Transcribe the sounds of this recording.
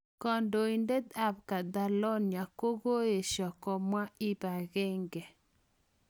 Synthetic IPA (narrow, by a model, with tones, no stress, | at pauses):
kɔ˨ndo˨i˨nde˦d̪a˦˨b̚ka˨d̪a˨lɔ˦nja˨ko˦ɣo˦je˨ʃɔ˨kɔ˨mwa˦i˦ba˨ɣɛ˦ŋɡe˨